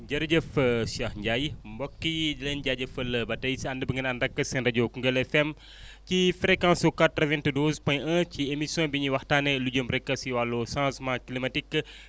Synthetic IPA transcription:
d͡ʒaɾd͡ʒəfəsiahɲd͡ʒaimbɔkːid͡ʒlənd͡ʒad͡ʒəfələbatisiandəbəŋənandakəsɛnrad͡ʒokuŋɡəlɛfɛm | t͡ʃifɾekãsokat̪ːravɛnt̪ədozpãj̃ʔət͡ʃiemisõbiɲiwaht̪anelud͡ʒəməɾekasiwalosãsmãkilimatik

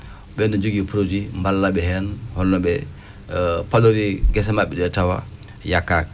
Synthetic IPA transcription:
ɓɛnːɔd͡ʒoɡipɾod͡ʒimbalːaɓɛhɛnhɔnːɔɓɛ | paloɾiɡɛs̬ɛmaɓɛɗɛtawa̰ | jakːak̚

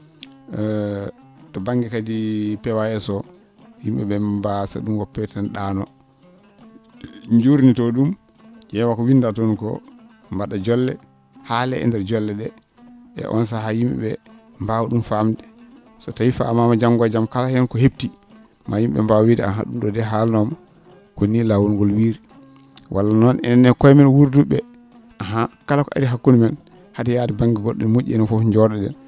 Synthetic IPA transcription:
tɔbaŋɡɛkadipɛwajɛsɔ | jimɓɛ̰ɓɛbasa̰ɗumwɔpːɛtɛnɗaːnɔ | ɲd͡ʒuɾnitɔɗum | d͡ʒɛwakɔwindatonkɔ̰ | mbaɗad͡ʒɔlːɛ | halɛ̰ʔɛ̰ndɛɾd͡ʒɔlːɛɗɛ | ɛ̰ʔɔ̰ns̬aɦajimɓɛ̰ɓɛ | mbawuɗumfamdɛ | sɔtajifa̰mamad͡ʒamɡad͡ʒamkalahɛnkɔheb̚ti | majimɓɛ̰mbawwidia̰ɦa̰ɗumɗɔdɛɦalnɔma | konːilawunŋɡɔlwiːɾi | wʔa̰lːanɔnʔɛ̰nɛnːɛkɔjmɛnwuɾduɓɛ | ʔaɦakalakɔʔa̰ɾiɦakːunimɛn | hadɛjadɛbaŋɡiɡoɗːinmoʔɛnɛfɔfd͡ʒɔɗɛɗɛ̰n

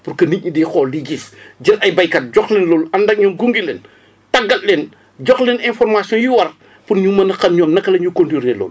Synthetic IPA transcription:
purkɐniɲidixɔːldiɡisɟilʔɐjbɐjkɐt̚ɟɔxlɛnlɔːlɐndɐk̚ɲɔːmɡuŋɡilɛn | tɐɡɐllɛn | ɟɔxlɛnɛnfɔrmasjɔ̃njiwɐr | punɲumɐnɐxɐmɲɔːmnɐkːɐlɐɲukontuɾelɔ̰ːl

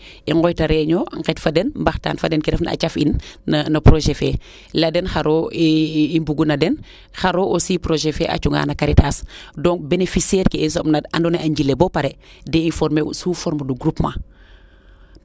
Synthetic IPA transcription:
iŋɡɔjtaɾɛɲɔŋkɛtfadɛnmbaxta̰ːnfadɛnkiɾɛfna̰a̰t͡ʃafinːɐnɐpɾoʒɛfɛ | ladɛnxaɾo | imbuɡunɐdɛn | xaɾoʔosipɾoʒefɛ̰ʔa̰t͡ʃuŋɡa̰ːnɐkaɾitasdɔŋbenefisiɛɾkɛis̬ɔpnadandɔneʔaɲɟilebɔpaɾɛ | dɛinfɔɾmesuːfɔɾmɐduɡɾupma

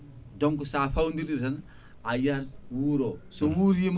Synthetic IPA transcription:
dɔŋkusaːɸawndiɾiɾtan | ajaɾwuɾosowuɾjem

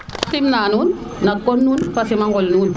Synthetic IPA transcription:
simnaːnuːnnakonːuːnfasimaŋɡolnuːn

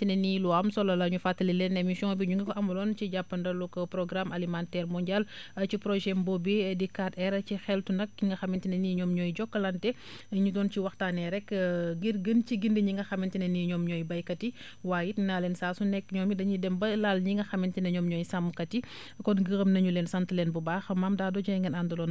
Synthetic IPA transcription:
tinɐniluamsɔlːɐlɐɲufatːɐlilɛnːɛmisɔŋbiɲuŋɡɐkɔʔɐmbɐlɔːnt͡ʃiɟapːɐndɐlukɐpɾɔɡɾamalimantɛːɾmɔɲɟalɐcipɾɔʒɛmbɔbidikatɛɾɐcixɛltunɐk̚ːiŋɡɐxɐmintinɐniɲɔːmɲɔːjɟɔkːəlantɛ | ɲudɔːnciwɐxtaːnɛɾɛkɡirɡənt͡ʃiɡindiɲiŋɡɐxɐmintinɐniɲɔmɲɔːjbɐjkɐti | waːjitnaːlɛnsaːsunɛkːɲɔmidɐɲidɛmbɐlalɲiŋɡɐxɐmintinɐɲɔmɲɔjsamkɐti | kɔnɡəɣɐmnɐɲulɛnsɐntəlɛnbubaːxɐmamdaːdɔɟɐjŋɡɐnandɐlɔn

